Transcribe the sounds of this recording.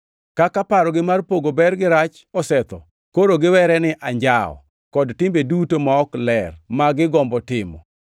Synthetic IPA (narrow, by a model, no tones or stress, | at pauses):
kakapaɾɔɡɪmarpoɡobɛrɡɪɾat͡ʃ | ɔsɛt̪ɔ | koɾoɡɪwɛɾɛnɪʔaɲd͡ʒaɔ̰ | kɔdtɪmbedutomaɔklɛrmaɡɪɡɔmbɔtɪmɔ̰